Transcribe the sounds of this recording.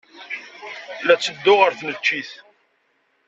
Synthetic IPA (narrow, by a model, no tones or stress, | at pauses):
læt͡sːəd̪ːʊʁəɾθnət͡ʃːiθ